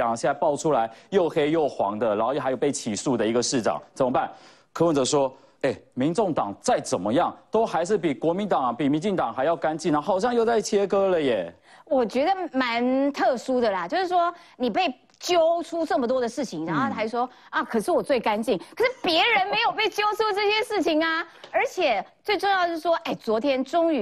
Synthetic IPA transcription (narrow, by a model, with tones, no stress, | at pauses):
ɕjɛ˥˧na˥˧pɑ˥˩ʊʈ͡ʂʰu˥la˧˦ɪjo˥˩ʊxe˥˧jo˥˩ʊxwɑ̰˧˥ŋd̪ə˨na˧˥˧xa˧˥jo˨˩ʊpe˥˩ɪt͡ɕʰi˨˩su˥˩d̪ə˩i˧˥ɡə˧ʂɻ̩˥˩ʈ͡ʂɑ̰˨˩˦ŋt͡sə˨˩mə˧˦pa˥˩n | kʰɤ˥wə˨nt͡sə˧˦ʂwɔ˥ | e˥˩ɪmi˧˥nʈ͡ʂo˥˩ŋt̪ɑ˨˩ŋt͡sa˥˩ɪt͡sə˨˩nmə˦jɑ˥˨˩ŋt̪o˥ʊxa˧˥ɪʂ̬ɻ̩˥˩pi˨˩kwɔ˧˥mi˧˥nt̪ɑ˨˩ŋ˨˩pi˨˩mi˧˥nt͡ɕi˥˩ŋt̪ɑ˨˩ŋxa˧ɪjɑ˥˩ʊka˦˥nt͡ɕi˥˩n˧˥˩xɑ˨˩ʊɕ̬jɑ˥˧ŋjo˥˧ʊt͡sa˥˩ɪt͡ɕʰjɛ˥kɤ˥lə˨jɛ˨˩ | wɔ˨˩t͡ɕɥɛ˧˥d̪ə˨ma˧˥nt̪ʰɤ˥˩su˥d̪ə˨lɐ˨t͡ɕjo˥˧ʊʂɻ̩˥˩ʂwɔ˥ | ni˨˩pe˥˩ɪ | t͡ɕjo˥ʊʈ͡ʂʰu˥ʈ͡ʂɤ˥˩mə˨t̪wɔ˥d̪ə˨ʂɻ̩˥˩t͡ɕʰi˧˦ŋɻa˧˥o˥˧˩t̪ʰa˥˩ʂwɔ˥ | ɐ˥˩kʰɤ˨˩ʂɻ̩˥˩wɔ˨˩t͡swe˥˩ɪka˥nt͡ɕi˥˩nkʰə˨˩ʂɻ̩˥˩pjɛ˧˥ɻə˧˥nme˧˥ɪjo˨˩ʊp̬e˥˩ɪt͡ɕjo˥ʊʈ͡ʂʰu˥ʈ͡ʂɤ˥˩ɕjɛ˥ʂɻ̩˥˩t͡ɕʰi˨˩ŋɐ˨ə˞˧˥t͡ɕʰjɛ˨˩t͡swe˥˧ɪʈ͡ʂʊ˥˧ŋjɑ˥˩˧də˧jo˥ʂ̩˥˩ʂwɔ˥ʔe˥˩ɪt͡swɔ˧˥t̪ʰjɛ˥nʈ͡ʂʊ˥ŋy˧˥